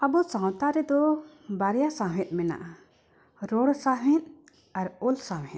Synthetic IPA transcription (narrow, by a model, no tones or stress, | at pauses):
abɔsãw̃t̪aɾɛd̪ɔ | baɾɛjasãɦɛ̃t̪̚mɛna̰ʔa | ɾɔɽsaɛ̃t̪̚ | aɾɔlsaɛ̃